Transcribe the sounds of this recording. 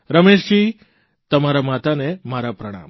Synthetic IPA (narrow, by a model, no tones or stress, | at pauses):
ɾəmeʃd͡ʒi | t̪əmaɾamat̪anemaɾapɾəɽ̃a̰m